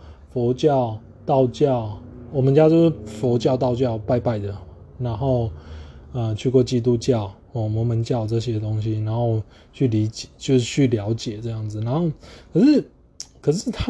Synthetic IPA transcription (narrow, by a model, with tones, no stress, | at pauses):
fɔ˧˦˥t͡ɕjɑ˥˨ʊ | t̪ɑ˥˧ʊt͡ɕjɑ˥˩ʊwɔ˨˩mə˨˦nt͡ɕja˦˥t͡ɕjo˥˧ʊʂ̩˥˩fɔ˧˥t͡ɕjɑ˥˧ʊt̪ɑ˥˧ʊt͡ɕjɑ˥˨ʊpa˥˧ɪpa˥˩ɪd̪ə˩ | na˨˦nxo˥˩ʊ | ə˧˩t͡ɕʰy˥˧kwɔ˥˩t͡ɕi˥t̪̬u˥t͡ɕjɑ˥˨ʊ | ɔ˨˩mwɔ˨˧˥mə˧˦nt͡ɕjɑ˥˧ʊt͡sɤ˥˧ɕ̬jɛ˥d̪ə˧t̪o˥ŋɕ̬i˦na˧˦nxo˥˧ʊ | t͡ɕʰy˥˩li˧˦˥t͡ɕjɛ˨˩t͡ɕjo˥˧ʊʂ̩˥˧t͡ɕʰy˥˩ljɑ˧˥ʊt͡ɕjɛ˨˩t͡sɤ˥˧ja˥˩ŋd͡zɹ̩˩na˨˧˦nxo˥˩ʊkʰə˨˩ʂɻ̩˥˩ | kʰə˨˩ʂ̬ɻ̩˥˩t̪ʰa˦˥